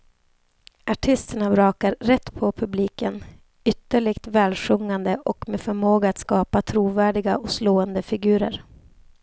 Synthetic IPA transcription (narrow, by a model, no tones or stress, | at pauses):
ʔaʈʰɪst̪əɳabɾɑːkaɾːɛt̪ːpʰɔpʰɵbliːkən | ʏt̪ːəɭɪɡt̪vɛːlɧɵŋːand̪əʔɔkmeːfœɾmoːɡaat̪skɑːpat̪ʰɾuːvæːɖɪɡaʔɔsloːənd̪əfɪɡʉ̟ːɾəɾ